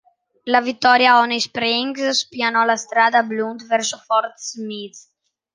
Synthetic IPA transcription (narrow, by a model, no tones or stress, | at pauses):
lavit̪ːɔɾjaɔnespɾiŋksspianɔlast̪ɾaːd̪ablund̪vɛɾsofɔɾt̪smit̪s